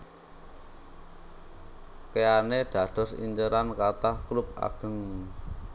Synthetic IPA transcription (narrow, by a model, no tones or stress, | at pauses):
keaneɖ̪̥ä̤d̪̥ɔ̤sḭɲt͡ʃəɾankat̪ahklup̚a̰ɡ̥ə̤ŋ